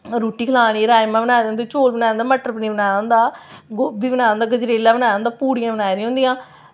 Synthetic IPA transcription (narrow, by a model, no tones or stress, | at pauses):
ɾuːʈiːkʰəlaːɽ̃iːɾaːjmãːbənaːɾẽːnd̪iːt͡ʃoːlbənaːnd̪aːməʈəɾpniːbənaːɾãːnd̪aːɡobiːbənaːãːnd̪aːɡəd͡ʒɾeːlãːbənaːãːnd̪aːpuːɽijãːbənaːjɾeãːʊ̃nd̪ɪjãː